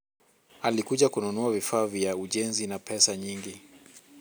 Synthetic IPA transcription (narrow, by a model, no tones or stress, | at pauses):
alikuʄakununuavifaːvjauʄɛnzinapʰɛsaɲiŋɡi